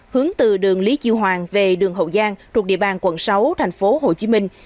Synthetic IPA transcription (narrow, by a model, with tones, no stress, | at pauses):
hɨ˨˦əŋt̪ɨ˨˩ɗɨ˨˩əŋli˨˦t͡ɕi˧wɦwaː˨˩ŋve˨˩ɗɨ˨˩əŋɦə̰˧˨wzaː˧ŋt̪ʰu˨˩k̚ɗḭ˧˨əɓaː˨˩nkwə˧˩nsa˨˦wt̪ʰɛ˨˩jŋ̟fo˨˦ho˨˩t͡ɕi˨˦mï˧ŋ̟